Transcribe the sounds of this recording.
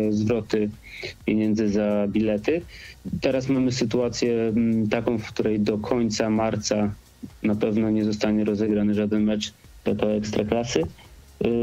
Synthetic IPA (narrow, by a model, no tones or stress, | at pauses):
zvɾɔt̪ɘpʲjeɲɛnd̪zɘzabʲilɛt̪ɘt̪ɛɾasmamɘsɘt̪uat̪sʲjɛt̪akɔ̃w̃fkt̪uɾɛjd̪ɔkʰɔɲt̪samaɾt̪sa | napɛvnɔɲɛzɔst̪aɲɛɾɔzɛɡɾanɘʐad̪ɛnmɛt͡ʂ | t̪ɔt̪ɔɛkst̪ɾaklasɘ